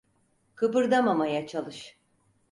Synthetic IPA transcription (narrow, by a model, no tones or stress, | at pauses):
kʰɯpɯɾd̪amamajat͡ʃʰalˠɯʃ